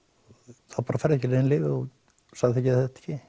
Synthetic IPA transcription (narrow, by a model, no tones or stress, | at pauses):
θaðpaːɾafajɾðɛhcɪɾeɪnlɪːvɪɔɣ | saɣðɪθɛhcɪaθɛht̪ɛ̥hcɪ